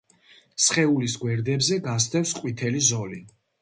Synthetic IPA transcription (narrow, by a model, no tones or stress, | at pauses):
sχɛulisɡwɛɾd̪ɛbzɛɡasd̪ɛfsqʼwit̪ʰɛlizɔli